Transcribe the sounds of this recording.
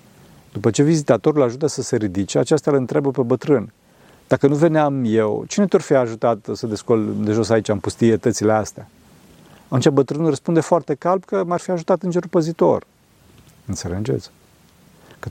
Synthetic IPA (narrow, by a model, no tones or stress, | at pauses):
d̪upət͡ʃe̞vizit̪at̪o̞ɾulaʒut̪əsəse̞ɾid̪it͡ʃeat͡ʃast̪aləɨnt̪ɾabəpe̞bət̪ɾɨn | d̪̥akənuve̞neamjewt͡ʃinet̪ʲorfiaʒut̪at̪səd̪e̞skold̪e̞ʒo̞sait͡ʃampust̪iet̪ət̪sile̞ast̪ea | at̪unt͡ʃabət̪ɾɨnrəspund̪e̞foart̪e̞kalb̚kəmarfiaʒut̪at̪ɨnd͡ʒe̞ɾupəzit̪o̞̰r | ɨnselənd͡ʒḛz | kə